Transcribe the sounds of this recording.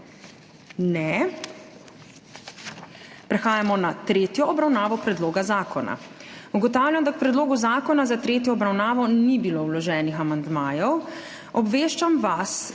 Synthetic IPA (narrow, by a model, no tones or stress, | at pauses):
nɛ | pɾɛxaːjamɔnat̪ɾeːt̪jɔːbɾawnaːʋɔpɾɛd̪loːɡazaːkɔna̰uɡɔt̪aːwlʲjamd̪ak̚pɾɛd̪loːɡuzaːkɔnazat̪ɾeːt̪jɔːbɾawnaːʋɔnibiloːwlɔʒɛːnixamand̪maːjɔw | ɔbʋeːʃt͡ʃamʋas